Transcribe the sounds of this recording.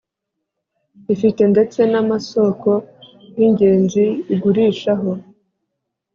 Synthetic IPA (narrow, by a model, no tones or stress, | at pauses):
ifite̞nde̞t͡se̞namaso̞ko̞ | jiɲɟe̞ːnziːɡuɾiːʃaɦo̞